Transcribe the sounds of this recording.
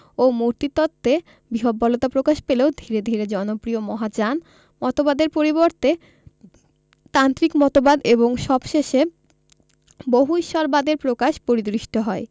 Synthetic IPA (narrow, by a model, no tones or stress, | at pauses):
omuɾt̪it̪ɔt̪ʰːe | biɦobːɔlot̪apɾokaʃpeleod̪ʱiɾed̪ʱiɾed͡ʑɔnopɾiomɔɦat͡ɕan | mɔt̪obad̪eɾpoɾiboɾt̪e | t̪ant̪ɾikmɔt̪obad̪eboŋʃɔbʃeʃe | boɦuiʃɔɾbad̪eɾpɾokaʃpoɾid̪ɾiʃʈʰoɦɔe